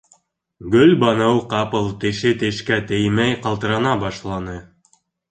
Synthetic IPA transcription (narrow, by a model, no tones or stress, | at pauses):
ɡɵlbɑnɤwqɑpɤlˠt̪ɘ̆ʃɘt̪ɘ̆ʃkæt̪ɘ̆jmæjqɑlˠt̪ɤ̆ɾɑnɑbɑʃlˠɑnɤ